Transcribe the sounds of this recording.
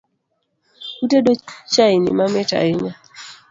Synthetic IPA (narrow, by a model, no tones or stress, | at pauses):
utedot͡ʃainḭmamɛta̰ɪɲa